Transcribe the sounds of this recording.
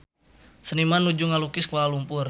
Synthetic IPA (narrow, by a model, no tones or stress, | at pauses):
sənimanud͡ʒuŋalukɪskuaalumpʊr